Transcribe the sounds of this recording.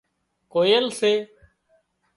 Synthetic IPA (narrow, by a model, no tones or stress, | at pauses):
koːjelseː